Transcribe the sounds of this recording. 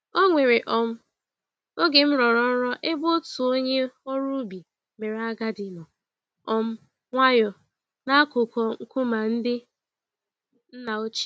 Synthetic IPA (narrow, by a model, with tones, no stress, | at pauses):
o˦ŋʷe˨ɾe˨ʔɔ˨m̩˦ | o˦ɡe˨m̩˦ɾɔ˨ɾɔ˦ɾɔ˦ʔɪ˦bʊ˦tʊ˨o˦ɲe˦ɔ˦ɾu˦bi˨ | me˨ɾa˦ɡa˦dɪ˨nɔ˨ | ɔ˦m̩˦ | ŋʷa˦jɔ˨ | na˦kʊ˨kɔ˨ŋ̩˦kʊ˦ma˨n̩˦dɪ˦ | n̩˦na˨o˦t͡ʃi̥˦